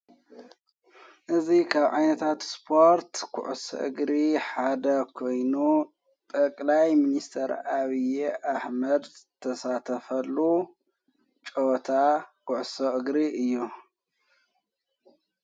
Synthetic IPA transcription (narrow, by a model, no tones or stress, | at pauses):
ʔɨzikʰaβʕa̰jnɐt̪ʰat̪spʰo̞ɾt̪kʰʊ̰ʕʊso̰ʔɨ̰ɡɾiħad̪ɐkʰo̞jnu | t̪ʼɐkʼlajminist̪ʰɐɾaβijeʔaħmɐd̪t̪ʰɐsat̪ʰɐfɐlːu | t͡ʃʼot̪ʰakʰʊʕʊsoʔɨɡɾiɨjːu